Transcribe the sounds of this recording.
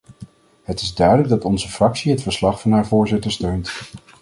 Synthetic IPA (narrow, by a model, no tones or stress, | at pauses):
ɦətɪzdœɥdələɡ̚dɑtɔnzəfrɑksiɦətfəɹslɑχfɑnɦaːɹvʊːɹzɪtəɹstøɥnt